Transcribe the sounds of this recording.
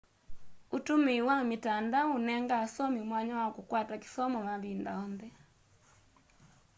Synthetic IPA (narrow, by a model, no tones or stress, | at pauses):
utumiwamitandaunɛŋɡaːsɔmimwaɲawakukwataki̥sɔmɔmaβindaɔnðɛ